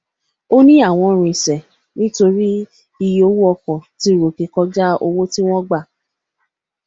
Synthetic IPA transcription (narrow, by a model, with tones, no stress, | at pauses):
o˦nĩ˦a˦˨w̃ɔ̃˧ɾ̃ĩ˨sɛ˨ | nĩ˦to˧ɾi˦ | i˧jo˦wu˦ɔ˧kɔ˨ti˨˦˨ɾo˨ke˧kɔ˧˦d͡ʒa˦o˧wo˦ti˦w̃ɔ̃˦ɡ͡ba˦˨